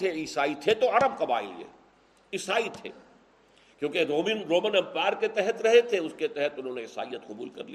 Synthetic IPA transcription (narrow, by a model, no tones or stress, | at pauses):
eiːsaːit̪ʰet̪oɐɾəb̚kɐba̰ːḭlḛː | ɪsaːit̪ʰḛː | kjõːkeɾoːmɪnɾoːmə̃nɛ̃mpɛːɾket̪ɛɦət̪ɾɐɦet̪ʰeʊsket̪ɛɦət̪ʊnɦõːneɪsa̰ːijːət̪qʊbṵːlkɐ̰ɾliː